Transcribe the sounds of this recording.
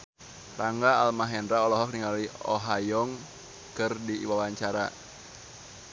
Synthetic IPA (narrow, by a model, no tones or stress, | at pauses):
raŋɡaːlmaɦɛndɾaɔlɔɦɔk̚niŋaliɔ̰ɦajɔŋ | kɨrdiwawaɲt͡ʃaɾa̰